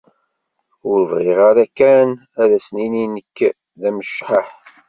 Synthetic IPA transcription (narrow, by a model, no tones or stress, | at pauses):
ʊɾəvʁɪʁaɾækːæn | æðæsnininəkː | ðæməʃħəħ